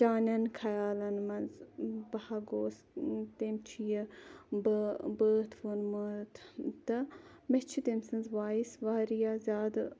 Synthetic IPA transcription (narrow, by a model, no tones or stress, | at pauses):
t͡ʃaːnɐnkʰɐjaːlɐnmɐnzbɐhaɡoːs | t̪emt͡ʃʰijɐbəbəːt̪ʰʋɐnmət̪ʰt̪ɐ | met͡ʃʰit̪emsɨnzʋaːisʋaːɾijaːzʲaːd̪